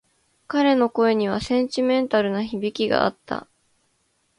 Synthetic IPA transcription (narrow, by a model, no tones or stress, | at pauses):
kaɾe̞no̞ko̞e̞ɲ̟iβ̞asẽ̞ɲ̟t͡ɕimẽ̞nt̪aɾɯ̟naçibʲikʲiɡa̰ːt̪ːa̰